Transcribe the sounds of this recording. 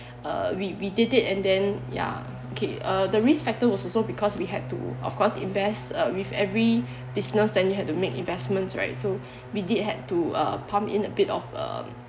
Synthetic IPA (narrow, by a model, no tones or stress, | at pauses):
ʌ̰wiwididitɛ̃ndɛ̃nja̰ | okʰeʌdəɹisfɛk̚təwɔsɔsobikʰɔswiɦɛd̚tṵɔ̰fkʰɔsḭ̃nvɛstʌwivɛvɹi | b̥isnəsdɛ̃njuɦɛd̚tumekḭ̃nvɛsmə̃ntsɹa̰ɪtso | widid̚ɦɛd̚tuʌ̰pʰãmpḭ̃nəbitɔ̰fʌ̰